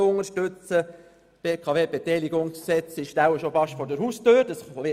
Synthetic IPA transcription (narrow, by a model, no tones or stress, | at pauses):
ʊŋəʃtøt͡sə | peːkʰɑʋeːb̥et̪ɛjlɪɡʊŋssɛt͡sɪʃtæʊwəʃofɑʃtfɔɾdəɾhustøːɾdɑsʋɪ